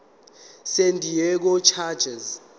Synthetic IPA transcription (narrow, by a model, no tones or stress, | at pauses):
sendʱijɛk̬ɔt͡ʃʰad̥ʒ̥ʱɛz